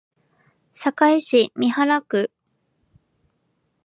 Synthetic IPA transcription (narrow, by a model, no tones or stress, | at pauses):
ɕakaiɕimʲihaɾakɯ̟